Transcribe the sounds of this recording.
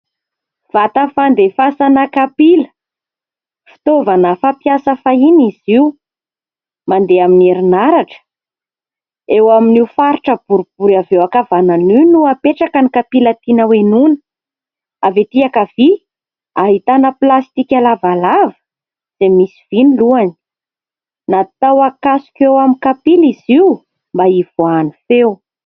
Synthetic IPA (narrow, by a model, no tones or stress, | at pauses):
v̥at̪əfand̪efasanakapilə̥ | fi̥t̪ovanəfapiasəfainiziu | mand̪eamineɾinaɾaʈ͡ʂə̥ | ewaminiwfaɾiʈ͡ʂəb̥uɾub̥uɾavewakavananinuapeʈ͡ʂakənikapilət̪inəwenunə̥ | avet̪iakavi | aɦit̪anəplast̪ikʲalavalavə̥ | z̥emisiv̥iniluani̥ | nat̪awakasu̥kʲewamikapiliziw | mbaiv̥oanifew